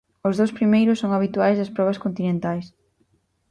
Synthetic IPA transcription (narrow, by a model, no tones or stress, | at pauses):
ʊzðowspɾimejɾʊsːoŋaβ̞it̪uajzðɐspɾɔβ̞ɐskont̪inẽnt̪ajs